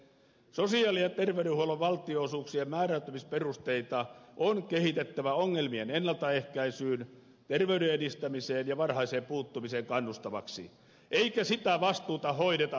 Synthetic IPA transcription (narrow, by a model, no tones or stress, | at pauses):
sosiɑːliɑt̪erʋeyɾehuoloʋʋɑlt̪ioːsuːksiemæːræyt̪ːømisperust̪eit̪ɑʔonkehit̪et̪ːæʋæoŋːelmienenːɑlt̪ɑehkæisyːn | t̪erʋeyɾeedist̪æmiseːnjɑʋɑrhɑiseːmpuːt̪ːumiseːŋkɑnːust̪ɑʋɑ̰ksḭ | ʔeikæsit̪æʋɑst̪uːt̪ɑɦoiɾet̪ɑ